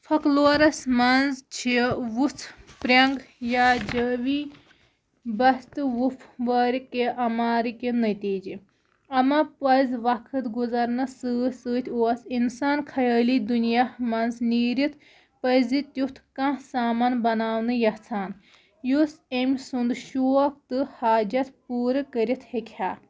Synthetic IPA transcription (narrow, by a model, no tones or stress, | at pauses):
fʰɐkloːɾɐsmɐnzt͡ʃʰiʋut͡sʰpɾʲɐŋɡjad͡ʒəːʋi | bɐst̪ɨʋupʰʋɐːɾikeʔɐmaːɾikenɐt̪iːd͡ʒi | ɐmɐpɐzʋɐkʰɨt̪ɡuzɐɾnɐsɨːsɨːt̪ʰʲuɐsinsaːnkʰɐjaːlid̪unijamɐnzniːɾit̪ʰ | pɐzit̪jut̪ʰkãsaːmɐnbɐnaːwnɨjɐht͡sʰaːn | jusemʲsund̪ʃuːɐk̚t̪ɨhaːd͡ʒɐt̪puːɾɨkəɾit̪ʰhekʰʲhaː